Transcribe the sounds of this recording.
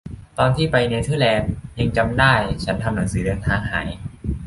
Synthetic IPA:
t̪ɔː˧nt̪ʰiː˥˩pa˧jna˧jt̪ʰɯː˥˩lɛː˧mje˧ŋt͡ɕa˧mdaː˥˩jt͡ɕʰa˦˥nt̪ʰa˧mna˩˦ŋsɯː˩˦dɤː˧nt̪ʰaː˧ŋha̰ː˩˦j

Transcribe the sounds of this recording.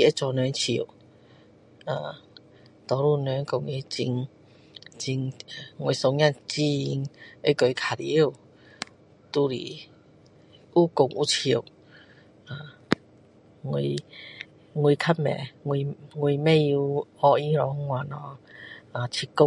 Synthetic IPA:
i˧e˦t͡sɔ˨˧nɛ˨˧˦nt͡ɕʰi˧˩˨w | a˨ | t̪ɔ˨˧˦lu˥˧˨nɛ˨˧˦nko˨ŋi˧˦t͡ɕi˧ŋ | t͡ɕi˧ŋ˨ŋwi˧˨sɔ˧ŋja˥˧˨nt͡ɕi˦˧i˧ŋe˦ko˨˧˦kʰa˨ɾi˧˦ə˧˨ | t̪u˧lḭ˨ | ʔu˦kʊ˧˩ŋʔu˧˦t͡ɕʰi˧˩ə˨w | a˨ | ŋwi˧ | ŋwi˧kʰa˦˥mɛ̰˨ŋwi˧˨ŋwi˧˨mɛ̃˥˧ju˧hɔ˧i˧˦ɾɔ˨˧˦ŋwa˨nɔ˨˧˦a˨t͡ɕʰi˧˩kːʊ˧

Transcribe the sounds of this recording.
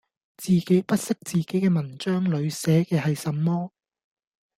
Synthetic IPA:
t͡siː˨ke˨˥jpɐ˥t̚sɪ˥k̚t͡siː˨ke˨˥jkɛː˧mɐ˨˩nt͡ʃœː˥ŋlɵ˨˧ɥsɛː˨˥kɛː˧hɐ˨jsɐ˨mːɔː˥

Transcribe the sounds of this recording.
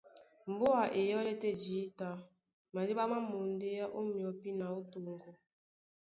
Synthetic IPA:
m̩˨bo˦a˨ʔe˨jɔ˦le˦te˦d͡ʒi˨˦ta˨˦ | ma˨di˦ba˦ma˦mo˨n̩˦de˦ja˦ʔo˦mi˨ɔ˨pi˦na˨o˦to˨ŋ˨ɡo˦

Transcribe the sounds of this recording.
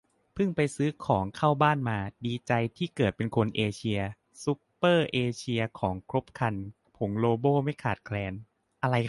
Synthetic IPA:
pʰɯ˥˩ŋpa˧jsɯː˦˥kʰɔː˩˦ŋkʰaː˥˩wbaː˥˩nmaː˧diː˧t͡ɕa˧jt̪ʰiː˥˩kɤː˨˩t̪̚pe˧nkʰo˧nʔeː˧t͡ɕʰi˧ɐ | su˦˥pːɤː˥˩ʔeː˧t͡ɕʰi˧ɐkʰɔː˩˦ŋkʰɾo˦˥p̚kʰa˧n | pʰo˩˦ŋloː˧boː˥˩ma˥˩jkʰaː˨˩t̪̚kʰlɛː˧n | ʔa˧ɾa˧j

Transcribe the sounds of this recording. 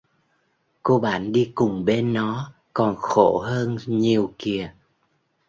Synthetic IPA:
ko˧ɓa̰ː˧˩nɗi˧kʊ˨˩ŋ͡mɓe˧nːɔ˨˦ | kɔ˨˩nxo˧˩ɦəː˧nɲi˨˩əwki˨˩ə

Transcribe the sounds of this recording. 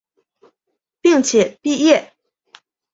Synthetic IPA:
pi˥˩ŋt͡ɕʰjɛ˨˩˦pi˥˧jɛ˥˩

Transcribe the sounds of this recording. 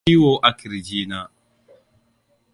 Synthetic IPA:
i˦wo˦ʔa˨ki˨ɾi˨d͡ʒiː˦na˦

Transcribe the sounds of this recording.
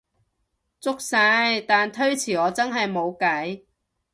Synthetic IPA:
t͡sʊ˥k̚saː˧jt̪aː˨nt̪ʰɵ˥ɥt͡sʰiː˨˩ɔː˨˧t͡sɐ˥nɦɐ˨jmo˨˧wkɐ˨˥j

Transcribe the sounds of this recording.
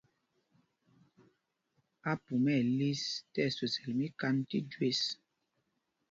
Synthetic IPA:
a˦pu˨mɛ˦˨li˦stɛ˦˨so˨sɛ˨lmi˦ka˦ntḭ˦dwe˦s

